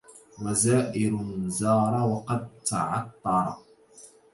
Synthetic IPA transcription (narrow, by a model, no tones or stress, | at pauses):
wazaːʔɪɾʊzɑːɾˤɑwɑqɑd̪̚t̪aʕɑt̪ˤːɑɾˤɑ̰